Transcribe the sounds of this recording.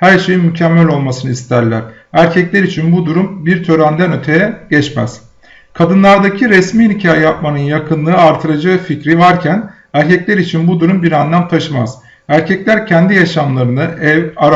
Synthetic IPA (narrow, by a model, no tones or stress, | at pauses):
hæɾʃe̞jimycʰɛmːælʲo̞lˠmasɯnɯist̪ʰæɾlʲæ̰ɾ̥ | æɾcʰɛclʲæɾit͡ʃʰinbud̪uɾumbiɾt̪ʰø̞ɾænd̪ænø̞t̪ʰe̞jɛɟ̥ɛt͡ʃmæ̰z̥ | kʰad̪ɯnlˠaɾd̪acʰiɾɛsmiːnicʰaːjɛjap̚manɯnjakʰɯnlˠɯɯaɾt̪ʰɯɾad͡ʒaficɾivaɾcʰæn | æɾcʰɛclʲæɾit͡ʃʰinbud̪uɾumbiɾand̪amt̪ʰaʃɯma̰z̥ | æɾcʰɛclʲæɾcʰɛnd̪ijaʃamlˠaɾɯnɯɛvaɾ